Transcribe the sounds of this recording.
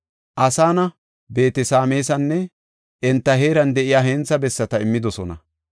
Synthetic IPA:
ʔɐsaːnɐ | be̞ːt̪ɛsaːmeːsɐnːɛ | ʔɛnt̪ːɐɦe̞ːɾɐnd̪ɛʔɪjaːɦeːnt͡sːɐbɛsːɐt̪ɐɪmːɪd̪ɔsɔnɐ̰

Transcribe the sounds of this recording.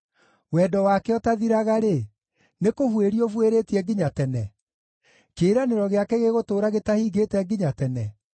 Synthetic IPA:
wɛːdɔwakɛɔtaðiɾaɣaɾe | nekohweɾiovweɾeːtiɛɡiɲatɛnɛ | keːɾaneɾɔɣeakɛɣeɣotoːɾaɣetahiːɣeːtɛɡiɲatɛnɛ

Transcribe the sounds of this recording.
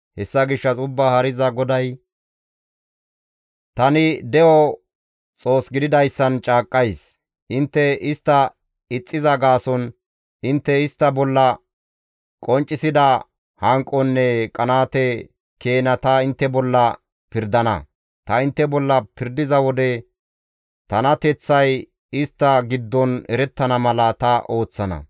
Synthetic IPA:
hɛsːɐɡɪʃːɐsʊbːahɐɾɪzɐɡɔd̪ɐj | t̪ɐnɪd̪ɛʔɔ | t͡sʼo̞ːsɡɪd̪ɪd̪ɐjsːɐnt͡ʃʼaːkʼːɐjs | ʔɪnt̪ːɛɪst̪ːɐ | ɪt͡sʼːɪzɐɡaːsɔn | ɪnt̪ːɛɪst̪ːɐbɔlːɐ | kʼɔnt͡ʃʼːɪsɪd̪ɐ | hɐŋkʼːɔnːɛkʼɐnaːt̪ɛ | keːnɐt̪ɐɪnt̪ːɛbɔlːɐ | pɪɾd̪ɐnɐ̰ | t̪ɐɪnt̪ːɛbɔlːɐpɪɾd̪ɪzɐwɔd̪ɛ | t̪ɐnɐt̪ɛt͡sːɐj | ɪst̪ːɐɡɪd̪ːɔnɛɾɛt̪ːɐnɐmɐlɐt̪ɐʔo̞ːt͡sːɐnɐ̰

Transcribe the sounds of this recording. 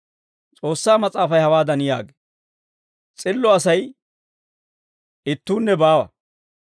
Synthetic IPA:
t͡sʼo̞ːsːaːmɐt͡sʼaːfɐjhɐwaːd̪ɐnɪja̰ːɡe̥ | t͡sʼɪlːɔɐsɐj | ɪt̪ːuːnːɛbaːwɐ̰

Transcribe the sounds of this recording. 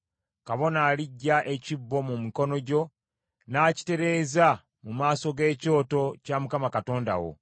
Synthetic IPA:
kaβo̞naːliɟːaʔe̞cibːo̞mumiko̞no̞ɟo̞ | naːci̥te̞ɾe̞ːza | mumaːso̞ɡe̞ːco̞ːto̞camukamakato̞ːnda̰wo̰

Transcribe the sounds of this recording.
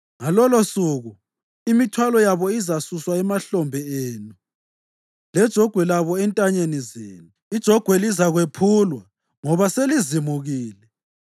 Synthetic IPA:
ŋalɔlosuɣu | imitʰwalɔjaβɔizasuswaɛmaɬɔmbʱɛeːnu | lɛd̥ʒ̥ʱɔɡ̥ʱwɛlaβɔɛntʼaɲenizḛːnu | id̥ʒ̥ʱɔɡ̥ʱwɛlizaɣwepʰulwa | ŋɔβaselizimuɣiːlɛ

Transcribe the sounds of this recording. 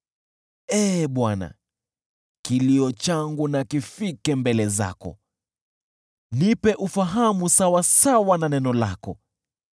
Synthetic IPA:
ɛɓwana̰ | kiliɔt͡ʃaŋɡunakifikɛmbɛlɛza̰kɔ̰ | nipɛʔufaɦamusawasawananɛnɔla̰kɔ

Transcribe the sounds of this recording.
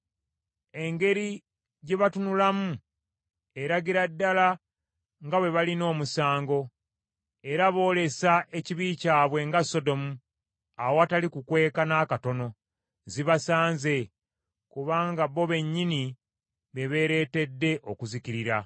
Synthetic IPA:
e̞ŋɡe̞ɾi | ɟeβatunulamu | e̞ɾaɡiɾadːala | ŋɡaβwe̞βalino̞ːmusaːŋɡo̞ | e̞ɾaβo̞ːle̞saʔe̞ciβiːcaːβwe̞ŋɡaso̞do̞mu | awoatalikukwe̞ːkanakato̞no̞ | ziβasaːnze̞ | kuβaːŋɡaβːo̞βe̞ɲːini | βe̞βe̞ːɾe̞ːte̞dːe̞ʔokuziciɾiɾa

